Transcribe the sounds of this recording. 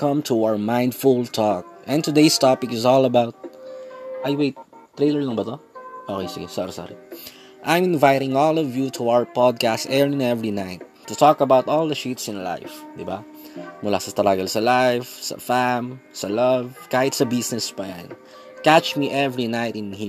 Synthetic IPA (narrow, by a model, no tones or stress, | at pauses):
kʌ̃mt̪ʰuaəmãɪ̃nd̪fult̪ʰɔk̚ɛ̃nt̪ʊd̪eɪst̪ɑpɪkɪsɔlɐbaʊt̪̚ | ʔajweɪt̪̚ː | ɾejlɛɹlɐ̃ŋbɐt̪oʔokejsɪ̰ɡɛsɔ̰ɾisɔ̰ɾḭ | ʔãj̃mɪ̃nvaɪɾɪ̃ŋɔlɔvjut̪ʰuawə˞pɔd̪̚kastɛɹɪ̃nɛvɹinaɪt̪ːʊt̪ʰɔkɐbawt̪ɔlˠd̪ɐʃit̪sɪ̃nla̰ɪf | d̪ɪba̰ | mʊla̰sɐt̪ɐɾaɡɐlsɐlaɪfsɐ̰famsɐlʌvkaːjɪt̪sɐbɪsnɛspãn | kæt͡ʃmiʔɛvɹinaɪt̪ɪ̃nhi